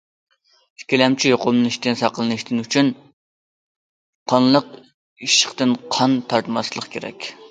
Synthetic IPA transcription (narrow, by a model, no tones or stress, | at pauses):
kʲilɛmt͡ʃʰijoqʊmniʃt̪ɪnsɑqəlˠɨnɨʃt̪ɪnyt͡ʃʰyn | qʰɑnlˠəq | iʃə̥χt̪ɨnqʰɑnt̪ʰɑɾt̪mɑslˠəχkʲʰeɾɛ̰kʲ